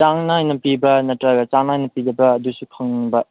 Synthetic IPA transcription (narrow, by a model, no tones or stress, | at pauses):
t͡ʃaŋnɐajnɐpibɐnɐtɾaɡɐt͡ʃaŋnajnɐpidɐbɐːdusukʰɐŋnnbɐ